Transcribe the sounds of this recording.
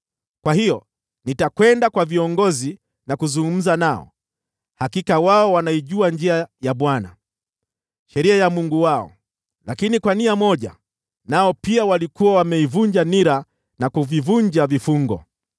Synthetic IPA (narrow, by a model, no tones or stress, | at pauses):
kwahijɔ | nitakwɛndakwaviɔŋɡɔzi | nakuzuŋɡum̩zanaɔ̰ | hakikawaɔwanaiʄuaɲd͡ʒiajaɓwana | ʃɛɾiajamuŋɡuwaɔ̰ | lakinikwaniamɔʄa̰ | naɔpiawalikuwawamɛivuɲd͡ʒaniɾa | nakuvivuɲd͡ʒavifuŋɡɔ